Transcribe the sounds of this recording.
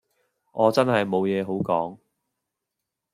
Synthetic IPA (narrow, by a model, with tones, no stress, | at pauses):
ʔɔː˨˧t͡sɐ˥nɦɐ˨jmo˨˧wjɛː˨˧ɦo˨˥wkɔ̰ː˨˥ŋ